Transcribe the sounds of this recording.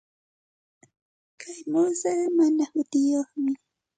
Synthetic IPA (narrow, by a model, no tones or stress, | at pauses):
kʰajmʊsamanahʊt̪ɪjoχmɪ